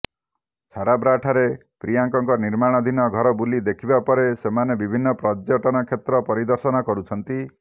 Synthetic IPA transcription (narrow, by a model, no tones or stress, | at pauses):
t͡ʃʰaɾabɾaʈʰaɾe | pɾijaŋkɔŋkɔniɾmaɽ̃ɔd̪ʱinɔɡʱɔɾɔbulid̪ekʰibapɔɾesemanebibʱinːɔpɾɔd͡ʒjɔʈɔnɔkʰet̪ɾɔpɔɾid̪ɔɾsɔnɔkɔɾut͡ʃʰɔnt̪i